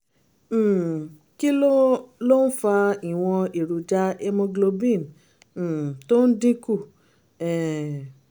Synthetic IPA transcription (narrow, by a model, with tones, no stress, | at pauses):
ki˦o˦lo˦n̩˦fa˧i˨w̃ɔ̃˧i˨ɾu˨d͡ʒa˦e˧˦mõ˧ɡlo˧bĩ˦˨m̩̃˦˨ | to˦n̩˦dĩ˦ku˦˨ | ɛ˨